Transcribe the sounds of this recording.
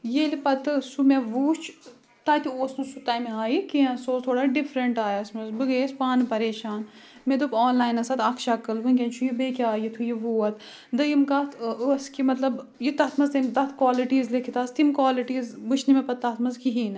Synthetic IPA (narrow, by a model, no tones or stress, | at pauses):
jeːlipɐt̪ɨsumeʋuːt͡ʃʰ | t̪aːt̪ioːsnɨsut̪aːjmeaːjikiɐ̃soːt̪ʰoːɽaːɖifʰɾɐɳʈaːjasmɐzbɨɡeːspaːnɨpɐɾeːʃaːn | med̪upɔːnlaːjnɐsɐt̪ɐkʰʃɐkːɐlʋɨnk̬ʲɐ̃nt͡ʃʰujibekʲaːjit̪ʰujiʋuːɐt̪ʰ | d̪ɐjimkɐt̪əskimɐt̪lɐbjit̪ɐt̪ʰmɐzt̪ɐmd̪ɐt̪ʰkwaːliʈiːzlekʰit̪aːst̪imkwaːliʈiːzbɨt͡ʃʰnimepɐt̪ːɐt̪ʰmɐzkiɦiːnɨ